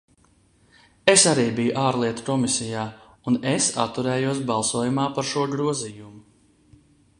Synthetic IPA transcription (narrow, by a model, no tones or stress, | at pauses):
esaɾiːbijuʔaːɾlˠiɛt̪u̥kɔmisijaː | unesa̰t̪ːuɾɛːjuɔs̬bɑlˠsuɔjumaːpaɾʃuɔɡɾuɔzijumu